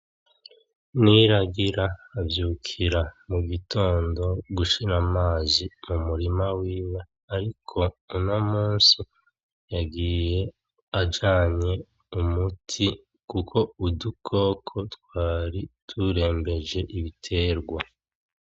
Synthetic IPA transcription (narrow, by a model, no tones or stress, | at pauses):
niɾaɡiɾaːvjuːkʰiɾamuɡito̞ːndo̞ɡuʃiɾamaːzimumuɾimawiːwe | aɾikʰo̞unomuːnsi | jaɡiːje̞ | ad͡ʒaːɲe̞ | umutʰi | kukʰo̞udukʰo̞ːkʰo̞twaːɾitʰuɾe̞ːmbe̞ʒe̞ʔiβitʰe̞ːɾɡwa